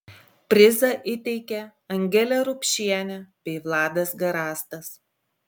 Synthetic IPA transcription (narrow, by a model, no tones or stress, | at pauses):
pʲɾʲɪzɐʔɪt̪ʲɛɪkʲɛɐŋʲɡʲɛlʲɛɾʊpʲʃʲiɛnʲɛbʲɛɪʋlˠɑːd̪ɐsɡɐɾɑːst̪ɐs